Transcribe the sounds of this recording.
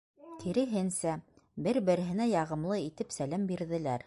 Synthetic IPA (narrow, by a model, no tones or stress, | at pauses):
t̪ʰiɾɘ̆ɦɘnsæ | bɘɾbɘ̆ɾɘ̆ɦɘ̆næjɑʁɤ̆mlˠɤit̪ɘpsælæmbiɾðɘ̆læɾ